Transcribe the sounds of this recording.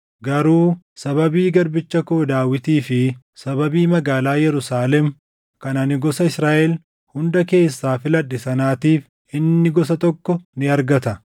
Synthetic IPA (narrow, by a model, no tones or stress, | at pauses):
ɡɐɾuː | sɐβɐbiːɡɐɾbɪt͡ʃːɐkoːd̪aːwɪt̪iːfɪ | sɐbɐbiːmɐɡaːlaːjɛɾʊsaːlɛm | kɐnɐnɪɡɔsɐɪsɾaːʔɛl | hʊnd̪ɐke̞ːsːaːfɪlɐᶑːɪsɐnaːt̪iːf | ɪnːɪɡɔs̬ɐt̪ɔkːɔnɪɐɾɡɐt̪ɐ